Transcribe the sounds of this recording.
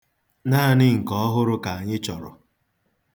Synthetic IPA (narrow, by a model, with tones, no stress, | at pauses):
naː˦˨nɪ˦ŋ̩˨kɔ˦ɔ˦ɦʊ˦ɾʊ˦ka˨a˨ɲɪ˦t͡ʃɔ˨ɾʊ̰˨